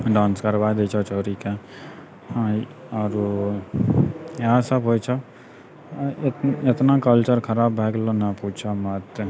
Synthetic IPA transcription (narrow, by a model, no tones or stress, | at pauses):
ɖãːnskɐɾʋaːjd̪et͡ʃʰɔt͡ʃɔːɾike | hã | ɔːɾ | ɦãsɐbɦoːjt͡ʃʰɔ | ɪt̪nakəlt͡ʃəɾkʰɐɾaːbːʱeːɡlonapuːt͡ʃʰamɐt̪